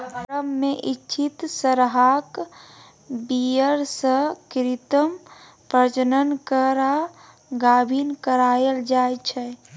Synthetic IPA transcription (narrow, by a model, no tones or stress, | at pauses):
ɾəmːeʔit͡ʃʰit̪səɾɦak | bijəɾsə̃kɾit̪əm | pɾət͡ʃənənkəɾa | ɡabʱinkəɾaeld͡ʒajt͡ʃʰɛ